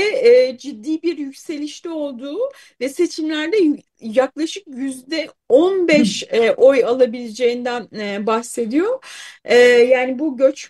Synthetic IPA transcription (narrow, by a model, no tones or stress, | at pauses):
ɛːd͡ʒid̪ːiːbiɾjycse̞lʲiʃt̪ɛo̞lˠd̪uː | vɛse̞t͡ʃʰimlʲæɾd̪ɛ | jaklˠaʃɯkjyzd̪ɛ | onbɛʃɛʔojalˠabilʲed͡ʒe̞jind̪ænːbaxse̞d̪ijo̞ɛːjaːnibuɟø̞t͡ʃ